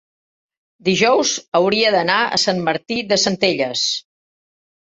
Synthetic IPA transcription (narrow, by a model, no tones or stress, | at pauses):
d̪iʒɔwzəwɾiəðənaə̰sanməɾt̪iðəsənt̪eʎəs